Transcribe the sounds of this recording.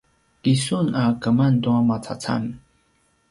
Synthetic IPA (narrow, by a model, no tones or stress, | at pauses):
kisunakamant̪uamat͡sʰa̰t͡sʰa̰n